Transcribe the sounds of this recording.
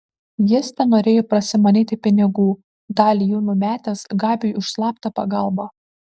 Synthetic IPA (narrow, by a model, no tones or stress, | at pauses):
ʋʲiɛsʲt̪ʲɛnoːɾʲeːjoːpɾɐsʲɪmɐnʲiːt̪ʲɪpʲɪnʲɪɡuː | d̪ɑːlʲijuːnumʲæːt̪ʲɛːsɡɑːbʲejʊʃslˠɑːpt̪ɐpɐɡɑˑlˠboː